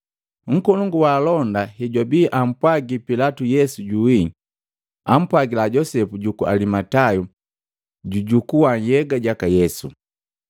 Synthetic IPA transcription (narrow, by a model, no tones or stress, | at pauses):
ŋ̩kɔluŋɡuwaːlɔndahɛɟwabiʔam̩pwaɡipilatujɛsuɟuwi | am̩pwaɡilaɟɔsɛpuɟukua̰limataju | ɟuɟukuwajɛɡaɟakajɛsṵ